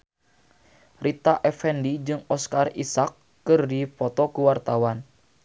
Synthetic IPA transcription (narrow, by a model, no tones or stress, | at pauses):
rit̪aʔɛfɛndid͡ʒɨŋɔskarisakː | ɨrdipɔt̪ɔkuwart̪awan